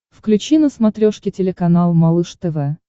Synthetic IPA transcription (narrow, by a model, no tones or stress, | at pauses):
fklʲʉt͡ɕinəsmɐt̪ɾʲoʂkʲɪtʲɪlʲɪkɐnalˠmɐlˠɨʂt̪ɛvɛ